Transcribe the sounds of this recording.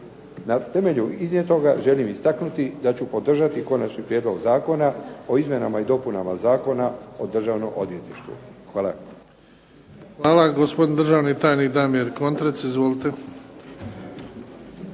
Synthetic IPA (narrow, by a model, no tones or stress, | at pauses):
nat̪e̞me̞ʎuiznjet̪o̞ɡaʒe̞limist̪aknut̪id̪at͡ɕupo̞d̪r̩ʒat̪iko̞nat͡ʃnipɾjed̪lˠo̞ɡzaːko̞nao̞izmje̞namaid̪o̞punamazaːko̞nao̞d̪r̩ʒaʋno̰mʔo̞d̪ʋje̞t̪iʃt̪ṵxʋaːla̰ | xʋaːlaɡospod̪ind̪ɾrʒaːʋnit̪aːjnid̪aːnmijeɾko̞nt̪ɾet̪sizʋolit̪e